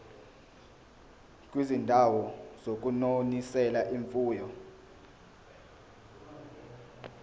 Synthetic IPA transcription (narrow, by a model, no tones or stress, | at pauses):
k̬ʼwizindʱawɔz̥ok̬unonisɛlaʔiɱfuːjɔ